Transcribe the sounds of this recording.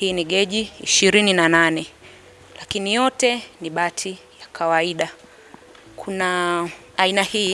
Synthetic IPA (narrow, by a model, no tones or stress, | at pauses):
hiːniɠɛʄiḭʃiɾininananɛ | lakinijɔtɛniɓatʰi | jakʰawaiɗa | kʰunaː | inahi